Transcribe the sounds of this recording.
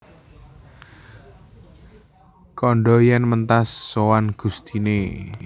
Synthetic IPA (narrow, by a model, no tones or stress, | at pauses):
kɔɳɖɔjɛnmənt̪asːowanɡ̥ust̪ine